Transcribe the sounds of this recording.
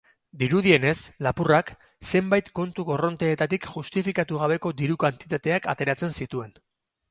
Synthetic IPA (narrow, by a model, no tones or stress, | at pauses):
d̪iɾuðie̞ne̞slapurak | se̞mbajt̪ko̞nt̪uɣo̞ro̞nt̪eːt̪at̪ikʝust̪ifikat̪uɣ̞aβ̞e̞ko̞d̪iɾukant̪it̪at̪e̞akat̪e̞ɾat͡se̞nsit̪ue̞n